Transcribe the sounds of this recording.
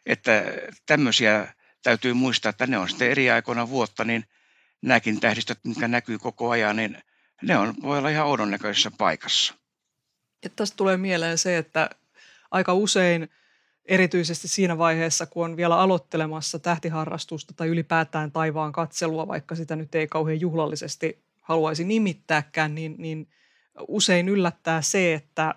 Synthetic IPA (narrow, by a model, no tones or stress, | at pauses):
ḛt̪ːæt̪æmːøsiæ | t̪æyt̪yːmuist̪ɑːet̪ːæneonsi̥t̪ːeeriɑikoinɑʋuot̪ːɑnin | næːkint̪æhɾist̪æt̪miŋkænækyːkokoɑjɑnnin | neonʋoˑiolːɑihɑounonnækøse̥sːɑpɑ̰ikɑ̥sːɑ̥ | ett̪æstt̪uleːmieleːnseet̪ːæ | ʔɑikɑusein | eɾit̪yisest̪issiːnæʋɑiheːsːɑkuonʋielæɑlot̪ːelemɑsːɑt̪æht̪iɦɑrːɑ̰st̪ust̪ɑ̥t̪ɑiylipæːt̪æːnt̪ɑiʋɑːŋkɑt̪seluɑʋɑ̰ikːɑsit̪ænyt̪eikɑuheːjuhlɑlːisest̪i | hɑluɑisinimit̪ːæːkːæːnninnin | useinylːæt̪ːæːseet̪ːæ